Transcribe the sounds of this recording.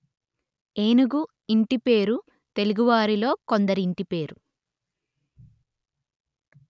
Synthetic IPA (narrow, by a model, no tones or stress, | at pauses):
eːnuɡu | iɳʈipe̞ːɾu | t̪e̞luɡuʋaːɾilo̞ːko̞nd̪ɐɾiːɳʈipe̞ːɾu